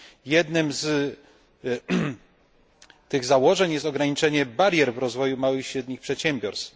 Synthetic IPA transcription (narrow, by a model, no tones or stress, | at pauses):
jɛd̪nɘmz | t̪ɘɣzawɔʐɛɲjɛst̪ɔɡɾaɲit͡ʂɛɲɛbaɾʲjɛɾvɾɔzvɔjumawɘxiɕɾɛd̪ɲixpʂɛt̪ɕɛmbʲjɔɾst̪